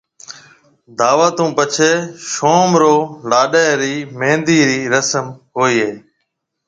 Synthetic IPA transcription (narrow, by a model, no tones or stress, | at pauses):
d̪aːʋaːt̪ũːpət͡ʃʰeːʃoːmɾoːlaːɗaːɾiːmẽːnd̪iːɾiːɾəsəmɦoːiːɦeː